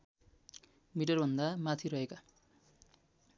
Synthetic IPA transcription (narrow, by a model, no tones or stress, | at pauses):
miʈʌrbʱʌnd̪amat̪ʰiɾʌɦeka